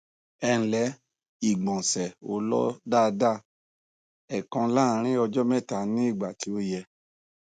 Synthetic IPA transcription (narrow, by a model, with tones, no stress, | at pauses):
ɛ̃˧˨lɛ˨˦ | i˨ɡ͡bɔ̃˨sɛ˨o˦lɔ̰˦da˦˨˧da˦˨ | ɛ˨kã˧la˦˨˧ɾ̃ĩ˦ɔ˧d͡ʒɔ˦mɛ̃˦˨ta˧˨nĩ˦i˦˨ɡ͡ba˨ti˨˦o˧jɛ˧